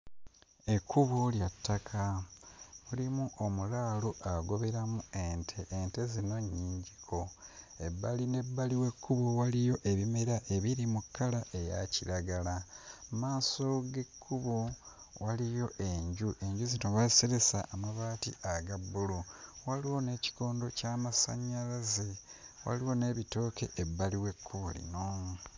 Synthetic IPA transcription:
e̞kʰːuβoljatːakʰa | mulimuʔo̞mulaːluʔaɡo̞βe̞ɾamue̞ntʰeʔente̞zino̞ɲːiːɲɟikʰo̞ | e̞bːaline̞bːaliwe̞kːuβowalijo̞ʔe̞βime̞ɾaʔe̞βiɾimukːalaʔe̞ja̰ciɾaɡalamaːso̞ɡe̞kʰːuβo | walijo̞ʔe̞ɲɟuʔe̞ɲɟuzinoβaziseɾe̞sa̰ʔːmaβaːtḭaɡabːuluwaliwo̞ne̞ːci̥ko̞ːndo̞caːmasa̰ɲːalaze | wa̰liwo̞ne̞ːβito̞ːke̞̰ʔebːaliwe̞kʰːuβṵlḭno̞

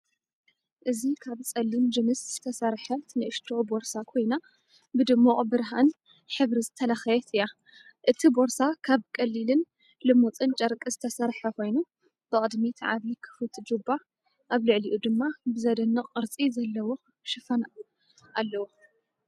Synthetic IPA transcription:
ʔɨzikʰaβt͡sʼɐlːimd͡ʒɨmɨsz̥ɨt̪ʰɐsɐɾħɐnɨʔɨʃt̪ʰoboɾsakʰo̞jna | bɨd̪ɨmːoʔʼbɨɾɦan | ħɨβɾizɨt̪ʰɐlaxɐjɛt̪ʰɨja | ʔɨt̪ʰibo̞ɾsakʰaβkʼɐlːilɨn | lɨmot͡sʼɨnt͡ʃʼɐɾkʼɨzɨt̪ʰɐsɐɾħɐkʰo̞jnu | b̥ɨkʼɨd̪mit̪ʰʕaβikʰɨ̥fɨt̪ʰd͡ʒuba | ʔaβlɨʕliʔud̪ɨmːabɨzɐd̪ɐnːɨqʼɨɾt͡sʼizɐlːɐwo̞ | ʃɨfɐna | ʔalːɐwo

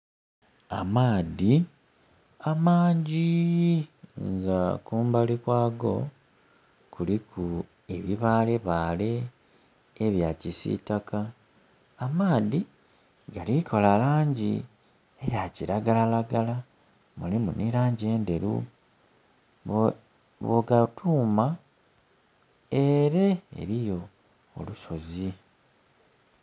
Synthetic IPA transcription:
amaːði | amaːɲɟi | ŋɡakuːmbalikwaːɡo̞̰ | kulikʰu | e̞βiβaːle̞βaːle̞ː | βjacisḭtakaː | maːði | ɡalikʰo̞lalaːɲɟi | ejaciɾaɡalalaɡala | mulimuniɾaːɲɟe̞ːnde̞ɾṵ | βoɡatʰuːma | eɾḛːɾijo̞̰ː | luso̞zi

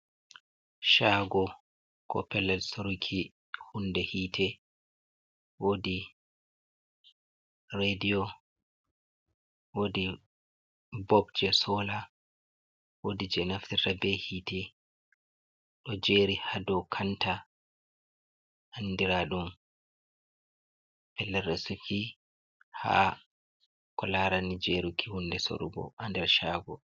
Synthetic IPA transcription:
ʃaːɡɔ | kɔ̰pɛlalsoɾukʰi | hundɛhiːtʰɛ | wodi | redijɔ | wodi | bɔb̚d͡ʒɛsɔːla | wodid͡ʒɛnaftirabɛhitɛ | ɗɔd͡ʒeɾihadɔkʰanta | ʔanːdiɾaɗum | pɛlːɛɾɛsuki | ha̰ | kɔlaɾanid͡ʒeɾukʰihundɛso̰ɾṵɡɔ̰ʔandɛɾʃaːɡɔ

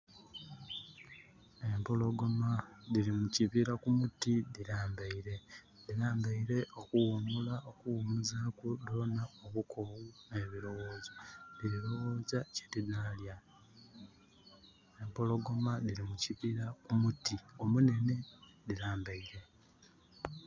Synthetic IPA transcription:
e̞mpo̞lo̞ɡo̞maliɾimuciβiɾakumutiðiɾaːmbaiɾe̞ | diɾaːmbaiɾe̞ʔo̞kuwumulaokuwumuzakulo̞naoβukʰowune̞βiɾo̞woːzaliɾiɾo̞wo̞ːzace̥tinaːlja | empo̞lo̞ɡo̞maliɾimuciβiɾakumutio̞mune̞ne̞diɾaːmbaiɾe̞

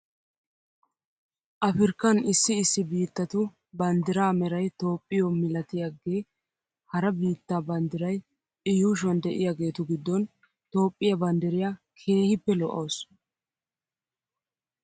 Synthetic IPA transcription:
ʔɐfɪɾkːɐnɪsːɪɪsːɪbiːt̪ːɐt̪ʊ | bɐnd̪ɪɾaːmɛɾɐjt̪o̞ːpʼːɪjɔmɪlɐt̪ɪjaɡeː | hɐɾɐbiːt̪ːaːbɐnd̪ɪɾɐj | ʔɪjuːʃwɐnd̪ɛʔɪjaɡe̞ːt̪ʊɡɪd̪ːɔn | t̪o̞ːpʼːɪjɐbɐnd̪ɪɾɪja | kʰe̞ːhɪpːɛlɔʔɐ̰ws

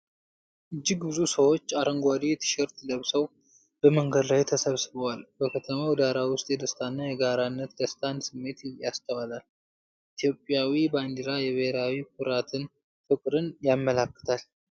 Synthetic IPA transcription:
ʔɨd͡ʒːɪɡbɨzusəwo̞t͡ʃːaɾəŋɡʷad̪et̪ʰɨ̥ʃɛɾt̪ʰləβsəw | b̥əməŋɡəd̪lajt̪ʰəsəβsɨβəwalbəkʰət̪ʰəməwd̪aɾawʊst̪ʼjɛd̪əst̪ʰanːajɛɡaɾanːət̪d̪əst̪ʰʼansɨmːe̞t̪jast̪ʰəwalal | ʔit̪ʰjo̞pʼːjawiband̪iɾajɛβɨheɾawikʰʊɾat̪ʰɨn | fɨkʼɾɨnjamːəlakːə̥t̪ʰal

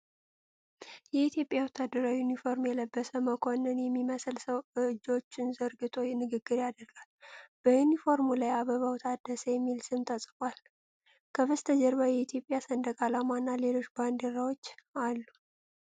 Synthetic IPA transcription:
jɛit̪jo̞pʼjawɔt̪ʰːad̪ːəɾawjunifo̞ɾmjɛləbːəsəməkʰo̞nɨnjɛmːiməslsəwɨɨd͡ʒːo̞t͡ʃːɪnzəɾɡɨt̪ʼo̞jnɨɡɨɡːɨɾjad̪əɾɡalb̥əjunifo̞ɾmulajaβəβawɔt̪ʰad̪ːəsəjɛmːilsɨmt̪ʼəsʼɨkʼal | kʰəβɨst̪ʰəd͡ʒɛɾβajɛit̪ʰjo̞pʼjasənd̪əkʼalamanːale̞lo̞ʃband̪eɾawot͡ʃːalːu

